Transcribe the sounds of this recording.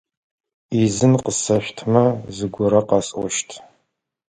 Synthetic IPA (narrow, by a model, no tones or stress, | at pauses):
izɨnqəsɐɕʷtʰmɐzɨɡʷʊɾɐqɑsʼʷɔʃtʰ